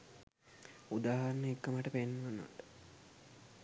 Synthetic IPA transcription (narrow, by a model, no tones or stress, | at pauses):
ud̪aːɦɐɾnəekːəmaʈəpenːuʋanːə̰ʋ̰ʈə̥